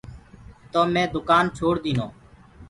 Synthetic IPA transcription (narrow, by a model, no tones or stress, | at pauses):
t̪oːmẽːd̪ʊkaːnt͡ʃʰoːɽd̪iːnoː